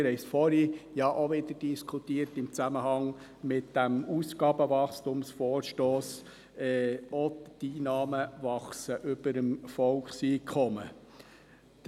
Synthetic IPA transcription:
ɾhɛɪsfɔɾijɑʔoʋɪd̪əd̥iskʰutiəɾtɪmt͡sæməhɑŋ | mɪtd̥æmusɡ̥ɑːbəvɑχstʊmsfɔːɾʃtoːs | ɛɔd̥iːnɑːməvɑχsəʔʏbəɾəmfɔlkχsiːkχɔmə

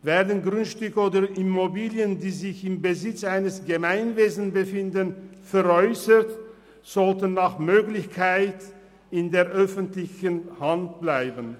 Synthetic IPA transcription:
vɛːɐdənɡʁʏntʃtʏkoːdɐʔɪmobiːljəndiːzɪçɪmbəzɪt͡sʔaɪnəsɡ̥əmaɪnveːzn̩bəfɪndənfɛʁɔʏsət | z̥ɔltənːaːχmøːklɪçkʰaɪt | ɪndeːɐʔœfəntlɪçənhant̚b̥laɪbən

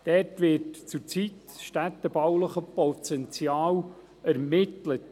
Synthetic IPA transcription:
d̥ɛrtʋɪɾtt͡sʊɾt͡sit | sʃtæt̪ːəbawləχəpɔt̪ɛnt͡sjɑːw | æɾmɪtlət

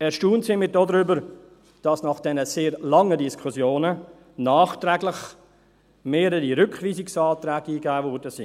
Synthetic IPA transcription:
ɛːɾʃtuːntsɪmɪt̚d̥oːdɾʏbəɾ | d̥ɑsnɑχd̥ɛnəseːɾlɑŋədiskʰusjoːnə | nɑːχt̪ɾɛːɡlɪχ | meːɾəɾiɾʏkʰviːsɪksɑːt̪ɾɛːɡiːɡæːvɔɾdəsḭ

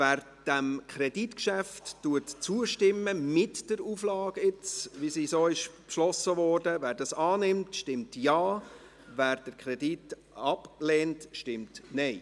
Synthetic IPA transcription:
væːɾ | d̥æmkʰχɾɛditkʃæftːuətt͡suəʃtɪmːəmɪtd̥əɾuːflɑːɡɪt͡sʋisisoːɪʃpʃlɔsəvɔːrdəvæːɾdɑsɑːnɪmtʃtɪmtjɑː | væːɾd̥əɾkʰɾɛdit | ɑplɛːntʃtɪmtnɛɪ

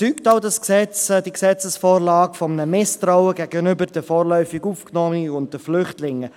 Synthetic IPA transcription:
yːktaʊdɑsksɛt͡sd̥iksɛt͡səsfoːɾlɑːɡfɔmənəmɪstraʊəɡæɡənʏbəɾd̥əfoːrlœʏfiɡuːfknɔəiʊnt̚d̥əflʏχtlɪŋːə

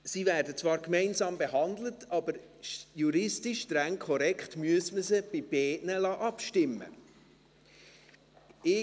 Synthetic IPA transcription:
sivæːɾdət͡sʋɑːɾkmɛɪnzɑːmbeɦɑndlətɑːbəɾ | ʃjuɾɪstɪʃtɾæŋkʰɔɾɛkχtmyəsməzəb̥ɪb̥ɛːʔnəlɑːʔɑpʃtɪmːə̰ | ɪ

